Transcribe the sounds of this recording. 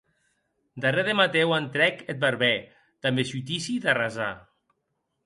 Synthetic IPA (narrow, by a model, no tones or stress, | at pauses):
d̪areðemat̪ewant̪ɾɛket̪̚beɾβɛ | t̪ambesut̪isiðaraza̰